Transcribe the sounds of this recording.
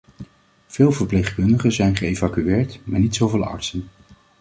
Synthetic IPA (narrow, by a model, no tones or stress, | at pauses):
v̥ɪːlˠvəɹplejχkɵndəχəzɛjnχəejvakyɪːɹtmaːɹnitsowvɪːlˠɑ̰ɹtsən